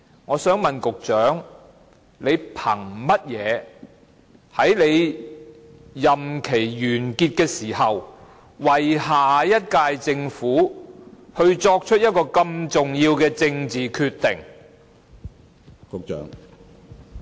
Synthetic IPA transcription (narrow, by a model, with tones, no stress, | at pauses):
ŋɔː˨˧sœː˨˥ŋmɐ˨nkʊ˨k̚t͡ʃœː˨˥ŋ | le˨˧jpʰɐ˨˩ŋmɐ˥t̚jɛː˨˧ | hɐ˨˥jle˨˧j | jɐ˨mkʰe˨˩jjyː˨˩nkiː˧t̚kɛː˧siː˨˩hɐ˨w | wɐ˨˩jɦaː˨jɐ˥t̚kaː˧jt͡sɪ˧ŋfuː˨˥ | hɵ˧ɥt͡sɔː˧k̚t͡ʃʰɵ˥t̚jɐ˥t̚kɔː˧kɐ˧mt͡sʊ˨ŋjiː˧wkɛː˧t͡sɪ˧ŋt͡siː˨kʰyː˧t̪ːɪ˨˩ŋ | kʊ˨k̚t͡ʃœ̰ː˨˥ŋ